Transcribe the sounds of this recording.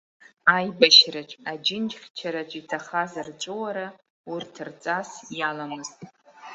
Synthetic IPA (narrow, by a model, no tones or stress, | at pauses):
ajbaʃraʈ͡ʂʼad͡ʒɪnt͡ʃχʲt͡ʃʰaɾat͡ʃʷʼitʰaχazart͡ʃʷʼɨwaɾa | urtʰɨrt͡sʼasjalamɨztʼ